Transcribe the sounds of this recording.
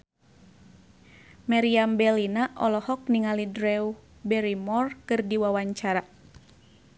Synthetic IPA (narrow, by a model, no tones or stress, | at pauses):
maɾiambɛlinaʔɔlɔhɔk̚niŋalidɾɛu | bɛɾimɔrkɨrdiwawaɲt͡ʃaɾa